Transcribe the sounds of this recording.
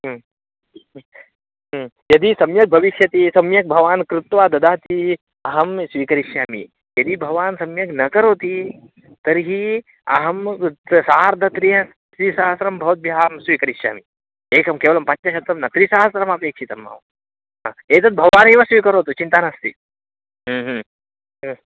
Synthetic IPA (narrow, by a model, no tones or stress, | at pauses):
ɦ | jɐd̪isɐmjɐk̚bʱɐʋiʃjɐt̪isɐmjɐk̚bʱɐʋaːnkɾut̪ʋaːd̪ɐd̪aːt̪i | ɐɦɐmsʋiːkɐɾiʃjaːmḭ | jɐd̪ibʱɐʋaːnsɐmjɐknɐkɐɾoːt̪i | t̪ɐɾɦi | ɐ̰ɦɐmsaːɾd̪ʱɐt̪ɾijɐ | t̪ɾisaːɦɐsɾɐmbʱɐʋɐt̪̚bʱiɦaːmsʋiːkɐɾiʃja̰ːmi | eːkɐmkeːʋɐlɐmpɐɲt͡ʃɐʃɐt̪ɾɐmnɐt̪ɾisaːɦɐsɾɐmaɐpeːkʂʰit̪ɐmːɐ̰ʋ | ɦa̰ːeːt̪ɐt̪̚bʱɐʋaːniʋasʋiːkɐɾoːt̪ut͡ʃint̪aːnɐst̪i | ɦːɦ